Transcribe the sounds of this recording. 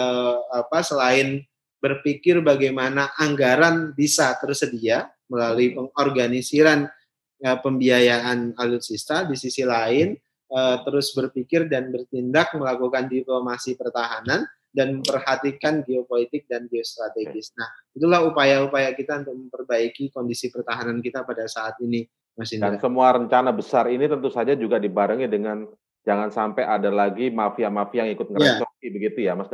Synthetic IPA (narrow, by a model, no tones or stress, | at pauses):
əapasəlaɪn | bərpikɪrbaɡajmanaʔaŋɡaɾanbisat̪ərsədia | məlaluipəŋɔrɡanisiɾan | əpəmbiajaʔanalʊt̪sist̪adisisilaɪn | ət̪əɾʊsbərpikɪrdanbərt̪indak̚məlakukandiplomasipərt̪aɦanan | danməmpərhat̪ikanɡeopolit̪ɪk̚danɡeost̪ɾat̪eɡɪsnahit̪ulahupajaupajakit̪aunt̪ʊk̚məmpərbaikikondisipərt̪aɦanankit̪apadasaːt̪̚ini | masɪɲdasəmuaɾəɲt͡ʃanabəsarinit̪ənt̪usad͡ʒad͡ʒuɡadibaɾəŋidəŋan | d͡ʒaŋansampajʔadalaɡimafiamafijaŋikʊt̪̚ŋəɾəat͡ʃokibəɡit̪ujamas